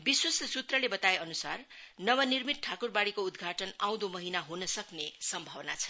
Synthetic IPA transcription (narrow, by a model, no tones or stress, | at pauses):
biswʌssut̪rʌlebʌt̪aeʌnusarnʌwʌnirmit̪̚ʈʰakurbaɽikoud̪ɡʱaʈʌnãw̃d̪omʌɦinaɦunʌsʌknesʌmbʱʌwna̰t͡sʰʌ̥